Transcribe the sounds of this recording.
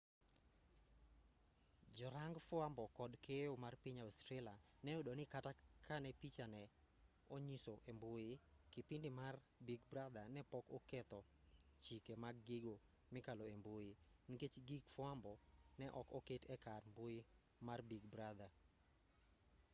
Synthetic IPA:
d͡ʒɔɾaŋɡfʊambɔkɔdkʰejomarpiɲaɔstɾela | nɛodonɪkatakʰanɛpit͡ʃanɛ | oɲisoʔembojɪkipindɪmar | biɡbɾad̪anɛpɔkɔkɛt̪ɔ | t͡ʃikemaɡːɪɡo | mɪkaloembojɪniket͡ʃɡiɡfʊambɔnɛʔɔkoketʰɛkarmboɪ | marbiɡbɾad̪a

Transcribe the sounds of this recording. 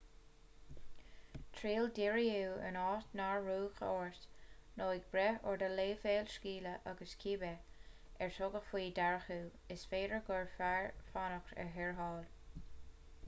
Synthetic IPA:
t̪ʰɹiːld̪ɪɹiuːə̰nɑːt̪naɹːuːxoːɹtnoːɪɡ̚bɾɛɔɹd̪əleːfeːlʃkiːləʔaɡəskʰiːbɛ | ɛɹtʰɔɡəxfwiːd̪aɹəxuː | ɪsfeːdɹəɡɔɹfaɹfanəkɛ̰ɦɛɹɦɑːl

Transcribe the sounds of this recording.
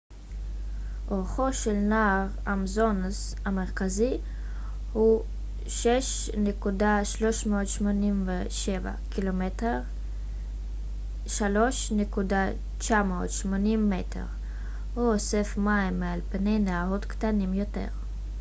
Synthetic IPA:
ʔoʁχo̞ʃelnaːʁamzo̞ns | ame̞ʁkazi | hu | ʃeʃ | nekudaʃlo̞ʃmeot̪ʃmo̞nimve | ʃeva̰kilometeʁ | ʃalo̞ʃnekuda | t͡ʃamoot̪ʃmonimːetʰḛʁ | huosefmaimːealpne̞jneaʁot̪ktanimjo̞te̞̰ʁ

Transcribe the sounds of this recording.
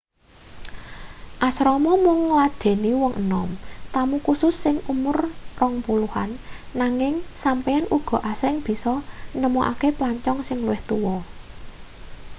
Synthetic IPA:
ʔasɾɔmɔmʊŋːlad̪̥e̤niwɔŋʔənɔmt̪amukusʊsːɪŋumʊrrɔŋpuluha̰nːaŋɪŋsampɛanʔuɡ̥ɔ̤ʔasɾɪŋb̥i̤sɔnəmoʔa̰keplaɲt͡ʃɔŋsɪŋluwɪht̪uwɔ

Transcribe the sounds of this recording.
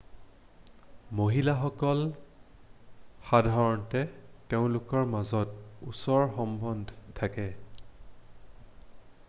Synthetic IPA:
moɦilaxɔkɔl | xadʱaɹɔntɛteʊ̃lʊkɔɹmazɔtṵsɔɹxɔmbɔndʱtʰakɛ

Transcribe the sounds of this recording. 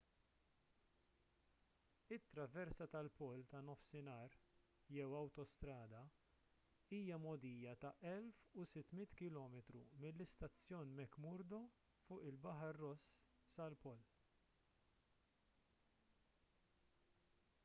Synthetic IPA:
ɪt̪ːɾɐvɛɾsɐt̪ɐlpɔlt̪ɐnɔfsɪnɐːɾ | jɛwɐwt̪ɔst̪ɾɐːd̪ɐ | iːjɐmɔd̪iːjɐt̪ɐʔɛlfusɪt̪ːmɪt̪kɪlɔːmɛt̪ɾumɪlːɪst̪ɐt͡sːjɔːnmɛkmʊɾd̪ɔ | fʊːʔɪlbɐħɐɾːɔsː | ɐlpɔl

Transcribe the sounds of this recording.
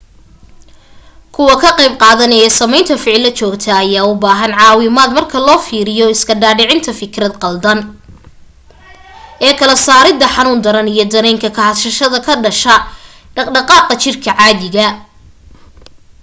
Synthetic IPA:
kʰʊwɐkʰɐqɑjb̚qɑːðɐnɛːsɐmɛjnt̪ʰɐfɪʕɪlːɐt͡ʃɔːɡt̪ʰɐːjaːʊbaːɦɐnʕɑːwɪmaːd̪mɐrkʰɐlɔːfiːɾɪjɔɪskʰɐɖaːɖɪʕɪnt̪ʰɐfɪkɾɐd̪qɑld̪ɐn | ʔɛːkʰɐlɐsaːɾɪd̪ɐħɑnuːnd̪ɐɾɐnijɞd̪ɐɾɛjŋkʰɐkʰɐhɐʃɐʃɐðɐkʰɐɖɐʃɐ | ɖɐqɑːqɐt͡ʃɪrkʰɐʕɑːðɪɣɐ

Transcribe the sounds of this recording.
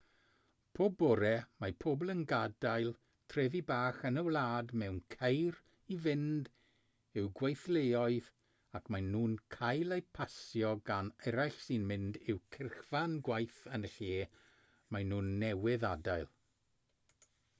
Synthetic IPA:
pʰoːbɔɾɛmajpʰoːblˠənɡadajlˠ | tʰrɛvibaːχənəwlˠaːdmɛwnkʰejr | ivɪnd | ɨwɡwejθlejɔɨð | akmajnuːnkʰajlˠejpʰasjɔɡanɛɾajɬsinmɪndɪwkʰɪrχv̥anɡwajθənəɬeː | majnuːnːɛwɪðadajlˠ

